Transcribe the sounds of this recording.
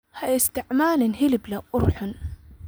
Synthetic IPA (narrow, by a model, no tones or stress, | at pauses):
hajɪst̪ɪʕmaːlɪnɦɪlɪblaʔʊɾħʊn